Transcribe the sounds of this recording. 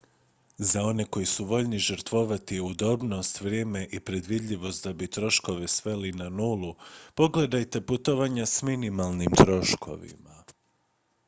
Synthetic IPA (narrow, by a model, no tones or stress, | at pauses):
zao̞ne̞ko̞jisuʋo̞ʎniʒəɾt̪ʋo̞ʋat̪iud̪o̞bno̞st̪ʋɾje̞ːme̞ʔipɾe̞d̪ʋid̪ʎʲiʋo̞st̪̚d̪abit̪ɾo̞ʃko̞ʋe̞sʋe̞linanuːlˠupo̞ɡle̞d̪ajt̪e̞put̪o̞ʋaɲasminimalˠnimt̪ɾo̞ʃkʰo̞̰ʋḭma